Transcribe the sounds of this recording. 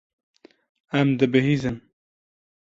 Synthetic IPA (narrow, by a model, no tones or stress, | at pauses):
æmd̪ɨbɨɦiːzɨn